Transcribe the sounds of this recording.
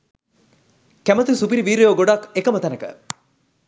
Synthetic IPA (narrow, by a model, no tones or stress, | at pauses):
kæmət̪usupiɾiʋiːɾejoɡoɖɐkekəmət̪ænəkə̰